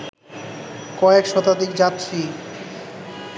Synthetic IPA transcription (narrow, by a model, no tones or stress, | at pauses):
kɔekʃɔt̪ad̪ikd͡ʑat̪ːɾi